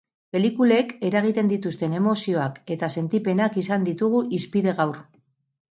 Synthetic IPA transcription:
pe̞likuleke̞ɾaɣ̞it̪e̞nd̪it̪ust̪e̞ne̞mo̞sio̞ake̞t̪ase̞nt̪ipe̞nakisand̪it̪uɣ̞uʔispiðe̞ɣawɾ

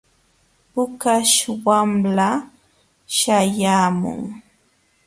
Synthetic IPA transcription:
pʊkaʃwamla | ʃajaːmʊ̰ŋ

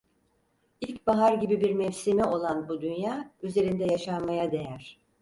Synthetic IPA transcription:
ilʲcbaɦaɾɟibibiɾmɛvsimɛo̞lˠanbud̪ynjaːyze̞ɾind̪ɛjaʃamajad̪e̞jæɾ̥

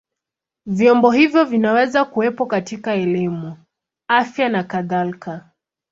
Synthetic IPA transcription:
vjɔmbɔhivjɔvinawɛzakuwɛpɔkatikaɛlimu | afjanakaðalka

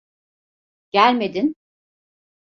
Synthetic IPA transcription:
ɟ̥ælʲme̞d̪in

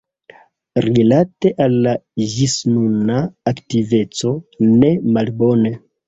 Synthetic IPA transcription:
ɾilate̞ʔalːaʒisnunaːktive̞t͡so̞ne̞malbo̞ne

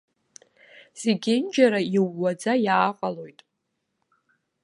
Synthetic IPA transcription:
z̥eɡʲɪnd͡ʒaɾaiwːad͡zajaːqʼalo̞jtʼ

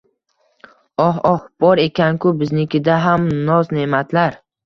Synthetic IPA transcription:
ɒɦɒhb̥ɒɾe̞kʲʰankʰʲʊbɪznɪkʲʰɪd̪aɦamnɒzne̞mat̪ʰlaɾ

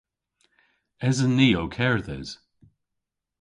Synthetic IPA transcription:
ɛzəniːoʊkʰɛɹðɛ̰z̥

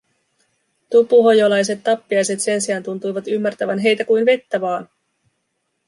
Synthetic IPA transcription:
t̪upuɦo̞jolɑjs̬e̞t̪ːɑpːiɑjse̞t̪se̞nsiɑːnt̪unt̪ujʋɑt̪ymːært̪æʋænɦe̞jt̪ækujnʋe̞t̪ːæʋɑːn

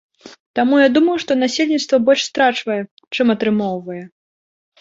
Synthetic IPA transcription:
t̪amujad̪umɐjuʂt̪ɔnasʲelʲnʲit̪st̪vɐbɔlʲʂst̪ɾat͡ʂvɐjɛ | t͡ʂɨmɐt̪ɾɨmɔwvɐjɛ

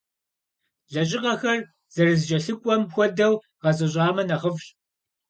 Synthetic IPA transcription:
ɮɐɕʼɪqɐxɐr | z̥ɐrɨzʒɐɬɨkʷʼɔmxʷɔdɐw | ʁɐzʼɐɕ̬ʼɑːmɐnɐʁəfɕʼ

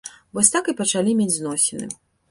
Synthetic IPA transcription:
vɔsʲt̪akɨpɐt͡ʂalʲimʲed͡zʲznɔsʲɛnɨ̰

